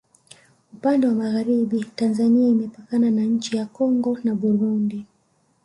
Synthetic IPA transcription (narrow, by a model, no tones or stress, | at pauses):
upandɛwamaɣaɾiɓitanzaniaimɛpakananaɲ̩t͡ʃijakɔŋɡɔnaɓuɾundi